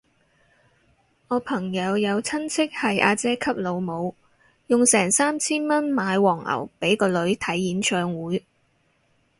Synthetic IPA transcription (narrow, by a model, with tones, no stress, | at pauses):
ŋɔː˨˧pʰɐ˨˩ŋjɐ˨˧wjɐ˨˧wt͡sʰɐ˥nt͡sʰɪ˥k̚hɐ˨jʔaː˧t͡sɛː˥kʰɐ˥p̚lo˨˧wmo˨˧w | jʊ˨ŋsɛː˨˩ŋsaː˥mt͡sʰiː˥nmɐ˥nmaː˨˧jwɔː˨˩ŋɐ̰˨˩wpe˨˥jkɔː˧lɵ˨˧ɥt̪ʰɐ˨˥jːiː˨˥nt͡ʃʰœː˧ŋwuː˨˥j